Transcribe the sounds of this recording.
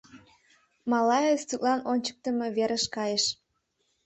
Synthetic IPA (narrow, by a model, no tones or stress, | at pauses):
mɑlɑjest̪yk̪lɑnonʲt͡ɕə̥k̚t̪əmeβeɾəʃkɑjəʃ